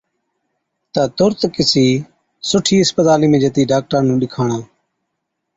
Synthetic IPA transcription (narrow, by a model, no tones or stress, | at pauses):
t̪aːt̪ʊɾt̪kɪsiː | sʊʈʰiːɪspət̪aːliːmẽːd͡ʒət̪iːɖaːk̚ʈaːnũːɗɪkʰaːɳãː